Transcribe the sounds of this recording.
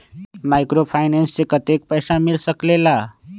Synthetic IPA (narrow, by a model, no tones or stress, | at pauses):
majkɾopʰajnenssekət̪ek̚pəjsamilsəklela